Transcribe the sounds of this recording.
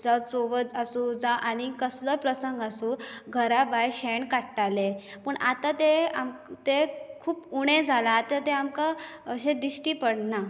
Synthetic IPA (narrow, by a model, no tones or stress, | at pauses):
d͡zat͡soʋəasud͡zaʔaɽ̃ikəsləpɾəsəŋɡasuɡʱəɾabajɕeɳkaʈʈalepəɳʔat̪at̪ea̰mt̪ekʰuːpuɽ̃ẽd͡zʱalat̪ət̪eamkaəɕẽd̪ɾiɕʈiːpəɽna